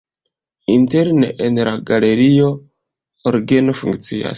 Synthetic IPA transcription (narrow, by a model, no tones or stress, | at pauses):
inte̞ɾneʔenlaɡale̞ɾio̞ | oɾɡenofṵŋkt͡sia̰s